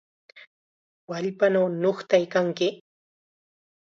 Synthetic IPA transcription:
waʎpanawnoχt̪ajkaŋkɪ

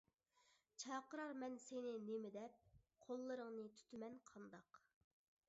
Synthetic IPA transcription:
t͡ʃʰɑːqəɾɑɾmɛnsenɪnemɪd̪ɛp̚ | qʰolˠːɨɾəŋnɨt̪ʰy̥t̪ʰymɛnqʰɑnd̪ɑq

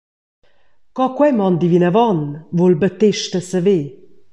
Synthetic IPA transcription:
kɔkwɛmɑnd̪ivinavɔnvolbət̪eʃtəsəve

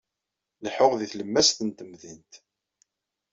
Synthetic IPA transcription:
ləħʊʁðiθləmːæsθənt̪əmðint̪

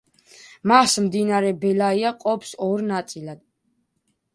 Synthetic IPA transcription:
masmd̪inaɾɛbɛlaiaqʼɔpʰsɔɾnat̪sʼilad̪̥

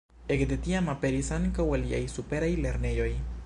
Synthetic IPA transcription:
ekd̪et̪iamapeɾisaŋkawelja̰jsupeɾajleɾnejoj

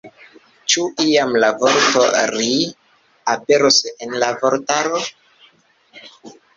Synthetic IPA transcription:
t͡ʃuiamlavo̞ɾtoɾi | ape̞ɾosenlavo̞ɾtaɾo

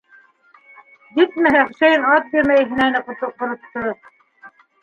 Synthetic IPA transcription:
jit̪̚mæɦæχuʃæjɘnɑt̪̚biɾmæjɦɘ̆nænɘqŏt̪ŏqŏɾŏt̪ːɤ

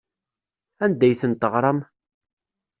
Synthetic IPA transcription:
ænd̪æjθənt̪əʁɾˤɑm

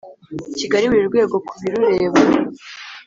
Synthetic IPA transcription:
iciɡaɾiβuɾiɾɡwe̞ːɡo̞kuβiɾuɾe̞ːβa

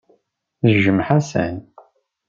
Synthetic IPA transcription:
ʒəmħæsæ̰n

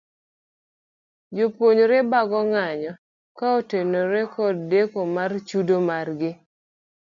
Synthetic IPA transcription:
d͡ʒopwoɲoɾebaɡɔŋaɲɔ | kaotenoɾekɔdːekomart͡ʃudomarɡɪ

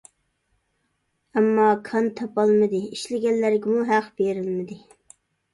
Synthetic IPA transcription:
ɛmːɑkʰɑnt̪ʰɑpɑlˠmɨd̪ɨiʃlɪɡʲɛnːæɾɡʲɪmuɦæqb̥eɾɪlmɪd̪ɪ

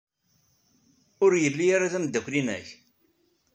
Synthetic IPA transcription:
ʊɾjəlːiaɾaðæmd̪ːækʷːlinæ̰ç

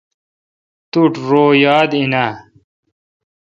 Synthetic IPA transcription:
t̪uʈɾoːjaːd̪ina

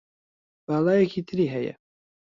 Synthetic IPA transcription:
b̥ɑːlˠɑːjɛkʰiːt̪ʰɨɾiːɦɛjɛ̰

